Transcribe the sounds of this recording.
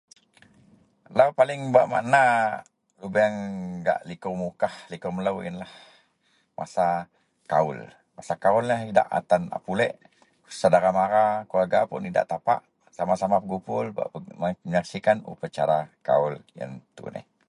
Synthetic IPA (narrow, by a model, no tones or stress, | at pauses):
lawpalɪŋbaʔma̰ʔna | lubɛŋɡa̰ʔlikʊrmukahlikɔmələwḭnlah | mʔa̰sa | kaʊ̰l | masakaʊlnəɦida̰ʔa̰t̪ana̰pulɛʔ | ku̥sadaɾamaɾakuaɡapʊ̰nida̰ʔt̪apa̰ʔ | samasamapəɡupʊlba̰ʔməməɲaksikanṵpat͡ʃaɾaka̰ʊljə̰nt̪ṵnɪ̰h